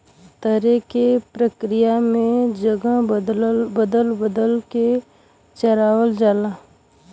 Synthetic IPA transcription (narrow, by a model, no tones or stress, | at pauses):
t̪əɾekepɾəkɾɪjamẽd͡ʒəɡə | bəd̪əlbəd̪əlke | t͡ʃəɾaːwəld͡ʒaːla